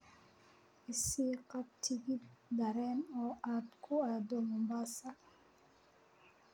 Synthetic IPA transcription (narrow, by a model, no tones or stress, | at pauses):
isikap̚tiɡidaɾɛnɔatkʰuadomɔmbasa